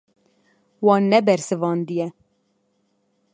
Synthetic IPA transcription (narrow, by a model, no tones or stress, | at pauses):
wɑːnːɛbɛɾsɨvɑːnd̪ɨjɛ